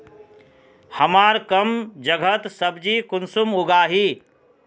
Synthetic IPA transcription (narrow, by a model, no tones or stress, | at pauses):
hɐmaːɾkɐmd͡ʒəɡʱət̪səbd͡ʒikʊnsumʊɡaːɦi